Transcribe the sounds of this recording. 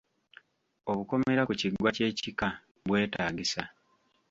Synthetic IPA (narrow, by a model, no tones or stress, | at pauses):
o̞βuko̞me̞ɾakuciɡwace̞ːcika | βwe̞ːtaːɡisa